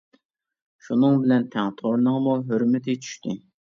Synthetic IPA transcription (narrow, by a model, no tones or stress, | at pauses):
ʃunɨŋbɪlɛnt̪ʰɛŋt̪ʰoɾnəŋmuɦøɾmɪt̪ʰɪt͡ʃʰy̥ʃt̪ɪ